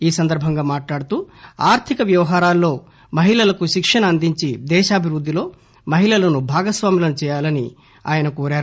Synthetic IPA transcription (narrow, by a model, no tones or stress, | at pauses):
iːsɐnd̪ɐɾbʱɐŋɡaːmaːʈlaːɽut̪uːaːɾt̪ʰikɐʋjɐʋɐɦaːɾaːlːo̞ː | mɐɦiɭɐlɐkuʃikʂɐnɐːnd̪iɲt͡ʃid̪ɛːʃaːbʱiɾud̪ʱːilo̞ː | mɐɦiɭɐlɐnubʱaːɡɐsʋaːmilɐnut͡ʃɛːjaːlɐni | a̰ːjɐnɐkoːɾaːɾu